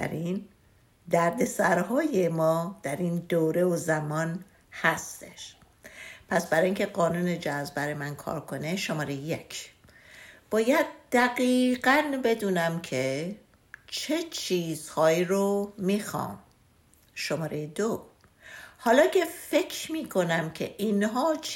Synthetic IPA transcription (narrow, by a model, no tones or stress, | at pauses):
æ̰ɾin | d̪æɾd̪e̞sæɾhɒːje̞mɒːd̪̥æɾiːnd̪oːɾe̞ozæmɒːn | hæst̪eʃ | pʰæsbæɾɒːiŋcʲʰe̞ɢɒːnuːned͡ʒæzbæɾejmænkʰɒ̰ːɾkʰo̞neʃomɒːɾejejecʰ | b̥ɒːjæd̪̚d̪æɡiːɢænbe̞d̪uːnæmkʰe | t͡ʃʰet͡ʃʰiːz̥hɒːiɾomixɒ̰ːm | ʃomɒːɾejed̪o | hɒːlɒːcʰe̞fe̞cʰɾmiːkʰo̞næmcʰḛʔinɦɒːt͡ʃ